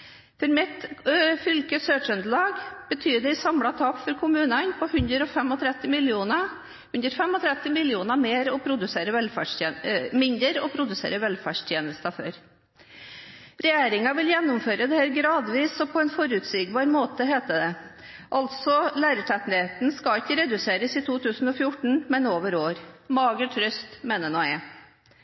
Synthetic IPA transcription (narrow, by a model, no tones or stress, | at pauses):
fɔɾmɪt̪fʏlkəsøːt͡ʃʉnd̪əlɑːɡb̥ət̪ʰyːɖ̪ɛɪsɑmɽɑt̪ʰɑpfɔɾkʰʊmʉːnɑnpʰɔhʉnd̪ɾəɾɔfɛmɔt̪ʰɾɛt̪ːɪmɪlɪuːnɑ | hʉnd̪ɾfɛmɔt̪ʰɾɛt̪ːɪmɪlɪuːnɑmeːɾɔpʰɾʊd̪ʉseːɾəʋɛlfæʂmɪnd̪ɾəɾɔpʰɾʊd̪ʉsḛːɾəʋɛlfæːʂt̪ʰjeːnəst̪ɑfø̰ːɾ | ɾɛjeːɾɪŋɑʋɪljɛnːʊmføːɾəd̪ɛheːɾɡɾɑːd̪ʋiːsɔpʰɔɛnfɔɾʉt̪sɪɡ̚bɑːɾmoːt̪əɦeːt̪əd̪ɛ | ʔɑlt̪sɔlæːɾət̪ʰɛt̪nheːt̪nskɑɪkːəɾɛd̪ʉseːɾəsiːt̪ʰuːt̪ʰʉːsn̩ɔfjʊʈɳ̩mɛnoːʋəɾoːɾmɑːɡəʈʰɾœst̪meːnənoːɛ